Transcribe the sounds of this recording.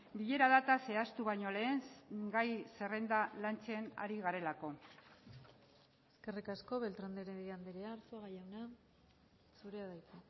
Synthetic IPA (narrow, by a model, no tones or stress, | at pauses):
biʎe̞ɾaðat̪ase̞ast̪uβaɲo̞le̞ːnɡajse̞re̞nd̪alant͡ʃe̞na̰ɾiɣaɾe̞lako̞ | eske̞rikasko̞βe̞lt̪ɾand̪eɾeðand̪eɾeaːɾsuaɣajawna | suɾeaðajt̪u